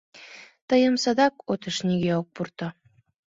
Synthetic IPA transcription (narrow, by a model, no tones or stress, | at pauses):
t̪əjə̆msɑd̪ɑkot̪əʃniɣeok̚purt̪ɤ̆